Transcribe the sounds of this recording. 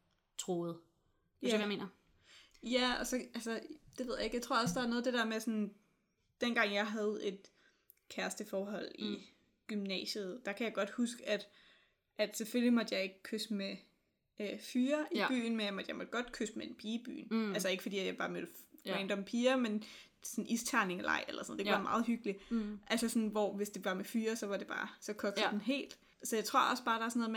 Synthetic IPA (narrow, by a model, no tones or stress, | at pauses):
t͡sʰʁo̝ð̩ˠ | jme̝ːnɐ | jæɒ̽sɒ̽ʔælsɐd̥eʋeðˠjɑ̈e̝ɡ̥jɑɪt͡sʰo̝ɐ̰̽sd̥ɑ̈æɐnɔːð̩ˠd̥edɛɐmesɒ̽n | d̥enɡ̥ɑ̈ŋ̰jɑ̈ɪɦæð̞̩ˠe̝d̥ | kʰæɐsd̥əfɒːɦɒ̽l̰i | ɡ̥ymnɛ̰ːɕəð̞̩ˠd̥ɑ̈kʰæjɑ̈ɪɡ̥ɒ̽d̥husɡ̥æd̥ | ʔæd̥sefølimɒ̽d̥jɑ̈ɪe̝ɡ̥əkʰøsme | fyːɐʔib̥y̰ːn̩menjɑ̈mɒ̽d̥jɑ̈ɪmɒ̽d̥ɡ̥ɒ̽d̥kʰøsd̥meenpʰiːb̥y̰ːnælsɐe̝ɡ̥əfɒdḭːæjɑ̈ɪb̥ɑ̈ːmøl̥ʁeɪnd̥ɒ̽mpʰiːɐmen | sɔnʔist͡sʰæɐne̝ŋlʔɑ̰̈ɪ̰elɐsn̰ð̩̰ˠd̥e̥ʋɑ̈mɑ̈ːð̞̩ˠɦyɡ̥li̥ʔælsɐsɒ̽nʋɒʋe̝sd̥e̝ʋɑ̈mefyːɐsɒ̽ʋɑ̈d̥e̝b̥ɑ̰̈ːsɒ̽kʰɒ̽ɡ̥sɐd̥enɦe̝̰ːld̥ | sɒjɑ̈ɪt͡sʰʁo̝ɐ̰ʔɒ̽sb̥ɑ̈ːɾ̥ɑ̈æɐsno̽ð̩ˠm